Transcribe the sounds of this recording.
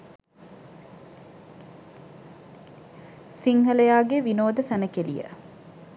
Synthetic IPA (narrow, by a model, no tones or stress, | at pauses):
siŋɦɐlɐjaːɡeʋinoːd̪əsænəkelḭjə̰